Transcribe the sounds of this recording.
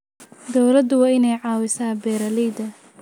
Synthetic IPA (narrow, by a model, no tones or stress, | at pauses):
d̪ɔwlɐd̪ʊwɑːɪnɛjʕɑːwɪsaːbɛːɾɐlɛjd̪ɐ